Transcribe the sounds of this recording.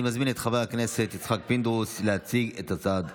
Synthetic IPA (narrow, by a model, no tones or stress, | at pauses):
imazminet̪χavajakneset̪it͡sχak̚pind̪uslehat͡siɡet̪at͡sad̪